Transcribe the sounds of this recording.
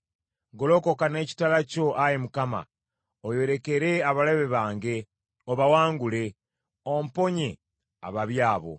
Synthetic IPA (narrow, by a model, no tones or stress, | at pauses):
ɡo̞lo̞ko̞kane̞ːci̥talaco̞ʔajemukama̰ | ojo̞ɾe̞keɾe̞aβaleβeβaːŋɡe̞ | oβawaːŋɡule̞ | ompo̞ɲe | a̰βaβjaːβo̞̰